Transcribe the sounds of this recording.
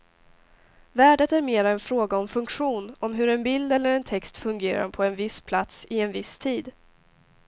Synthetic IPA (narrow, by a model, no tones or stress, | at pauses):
væːɖət̪æɾmeːɾaɛnfɾoːɡaɔmfɵŋkɧuːnɔmɦɵɾɛnbɪld̪ɛlːəɾɛnt̪ʰɛkst̪fɵŋɡeːɾa̰ɾpʰɔɛnvɪspʰlat̪sɪɛnvɪst̪ʰiːd̪